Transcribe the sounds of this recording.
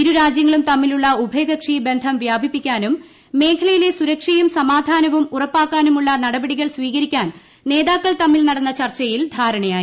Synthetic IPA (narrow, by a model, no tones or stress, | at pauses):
iɾuɾaːd͡ʑjɐŋːɐɭumt̪ɐmːiluɭːɐubʱeːɣɐkʂibe̞nd̪ʱɐmʋjaːbʱipːikʲːaːnumː | e̞ːkʰɐlɐjile̞suɾɐkʂɐjumsɐmaːd̪ʱaːnɐʋumurɐpːaːkːaːnumuɭːɐnɐɽɐbɐɽiɣɐɭsʋiːɣɐɾikʲːaːn | ne̞ːðaːkːɐɭt̪ɐmːilnɐɽɐnːɐt͡ɕɐrt͡ɕːɐjild̪ʱaːɾɐɳɐjaːji